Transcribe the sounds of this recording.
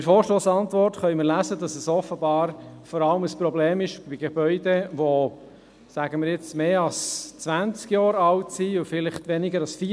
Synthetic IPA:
ɪɾfɔːɾʃtoːsɑntʋɔɾtχœʏmɪɾlæzədɑsɛsɔfəbɑːɾfɔɾɑləməspɾɔbleːmɪʃb̥iɡeb̥œʏdɛʋo | sæɡəmɪɾjɪt͡smeːɑlst͡sʋænt͡skjɑːɾɑwtsiʊfɪlɪχtʋɛnɪɡəɾɑsfi

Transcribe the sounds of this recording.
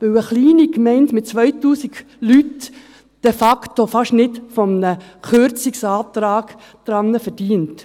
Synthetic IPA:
ʋɪwəχliːnikmɛɪntmɪt̚t͡sʋœʏtuːsiɡ | lyt | d̥ɛfɑktofɑʃnɪtfɔmənəχøɾt͡sɪksaːt̪ɾaːɡ | d̥ɾɑnːəfɛɾd̥iːənt

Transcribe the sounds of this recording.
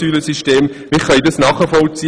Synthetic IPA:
yːləsiʃteːmmɪχœidɑsnɑːχəfɔlt͡siː

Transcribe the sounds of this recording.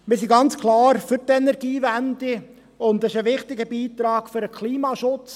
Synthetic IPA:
mɪsiɡɑnt͡skʰlɑːɾfʏɾtɛnɛɾɡ̥iːvændɪ | ʊndɪʃəʋɪχtɪɡəbiːt̪ɾɑːɡ̥fʏɾəkʰliːmɑʃʊt͡s

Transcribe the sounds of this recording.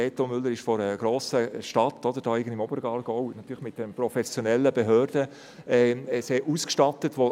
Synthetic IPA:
ɛːtomʏlːəɾɪʃfɔɾəɡ̥ɾoːsəʃtɑtɔd̪əɾd̥ɑːɪɡənɪmɔbəɾɡɑːlɡ̥ɔwnɑt̪yːɾləχmɪt̚d̥ɛnpɾɔfɛsjonɛlːəbeɦøːrd̥ə | ɛseːɾuskʃtɑtətʋo

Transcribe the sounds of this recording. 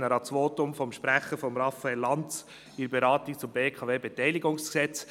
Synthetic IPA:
nəɾɑt͡sʋoːtʊmfɔmʃpɾæχəfɔmɾɑfaɛlːɑnt͡s | ɪɾbeɾɑːt̪ik̚t͡sʊmbeːkʰɑveːbɛtɛɪliɡʊŋsksɛt͡s

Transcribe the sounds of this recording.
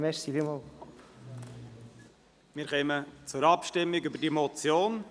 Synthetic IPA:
mɛɾsivimol | mɪːɾχɛːmət͡sʊɾɑpʃtɪmːiɡybəɾdiɛmot͡sjoːn

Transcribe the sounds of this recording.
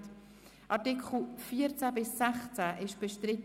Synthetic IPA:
t | ʔɑtikχl̩fiːəɾt͡sæbɪsːɛχt͡sæʔɪʃb̥əʃtɾɪt

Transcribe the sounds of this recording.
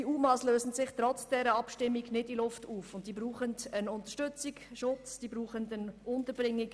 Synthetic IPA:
diuːmɑːsløːsn̩z̥ɪχtɾɔt͡sd̥ɛɾəɑpʃtɪmːiɡnɪdilʊftuːfʊntd̥iːbɾuːχəndənʊntəʃtʏt͡sikʃʊt͡sd̥iːbɾuːχəndənʊntəɾbɾɪŋːik

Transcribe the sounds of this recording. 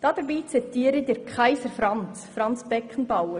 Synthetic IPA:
d̥ɑd̪̥əɾbiːt͡sɛt̪iːəɾəd̪əɾkχaɪsəɾfɾɑnt͡sfɾɑnt͡sb̥ɛkχən̩bɑwə

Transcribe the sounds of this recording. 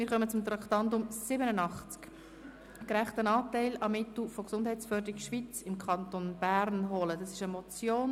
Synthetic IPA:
mɪːɾχœmət͡sʊmt̪ɾɑktɑndʊmsɪbənənɑχt͡sk | kɾæχtənɑːtæɪlɑmːɪtl̩ˠfoksʊnd̥ɦæɪt͡sfœɾdəɾikʃʋit͡sɪmkχɑnt̪onb̥æɾnɦɔlədɑsɪʃəmɔt͡sjoːn

